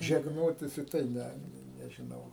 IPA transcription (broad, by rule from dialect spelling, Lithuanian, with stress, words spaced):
ʒʲɛɡˈnoːtʲɪs ɪ ˈtɐɪ ˈnʲɛ nʲɛʒʲɪˈnɐʊ